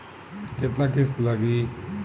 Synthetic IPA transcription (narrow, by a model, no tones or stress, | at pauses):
kɪt̪nãːkʰɪst̪laɡiː